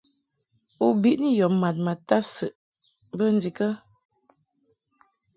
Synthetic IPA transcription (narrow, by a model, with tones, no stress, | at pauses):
u˨bi˦ʔni˦jɔ˨pma˨t̬̚ma˨ta˦sə˨ʔ | bə˦n̩˦di˨kə˦